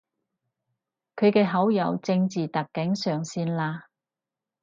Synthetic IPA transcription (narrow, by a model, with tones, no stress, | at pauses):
kʰɵ˨˧ɥkɛː˧ɦɐ˨˥wjɐ˨˧wt͡sɪ˧ŋt͡siː˨t̪ɐ˨kːɪ˨˥ŋsœː˨ŋsiː˧nlaː˧